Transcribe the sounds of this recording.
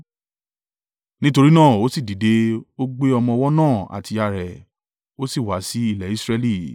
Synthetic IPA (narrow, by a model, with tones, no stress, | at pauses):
nĩ˦to˧ɾi˦nãː˦˨o˨˦si˦˨di˨de˨˦o˦ɡ͡be˦ɔ˧mɔ̃˧wɔ˦nãː˦˨a̰˨ti˧a˨ɾɛ˨ | o˦si˦˨wa˨˦si˨˦i˦˨lɛ˨i˨˦sɾɛ˦li˦˨